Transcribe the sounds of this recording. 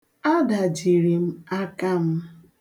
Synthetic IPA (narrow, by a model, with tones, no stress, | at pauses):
a˦da˨d͡ʒi˨ɾi˨m̩˦a˦ka˦m̩˦